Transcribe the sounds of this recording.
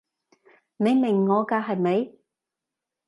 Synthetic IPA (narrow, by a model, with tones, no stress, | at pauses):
ne˨˧jmɪ˨˩ŋːɔː˨˧kaː˧ɦɐ˨jme˨˧j